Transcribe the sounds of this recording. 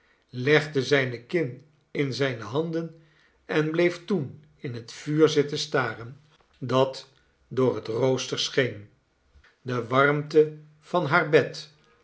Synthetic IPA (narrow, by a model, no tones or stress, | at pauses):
lɛχdəzɛjnəkɪn | ɪnzɛjnəɦɑndən | ɛnblejftun | ɪnɦətfyːɹzɪtəstaːrən | dɑt | dʊːɹɦətrowstəɹsχejn | dəʋɑrmtə | v̥ɑnɦaːɹbɛt